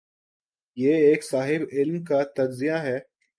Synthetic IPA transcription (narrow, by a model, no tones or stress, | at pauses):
jeːeːksaːɦɪbɪlmkat̪ɐd͡ʒzijaɦɛː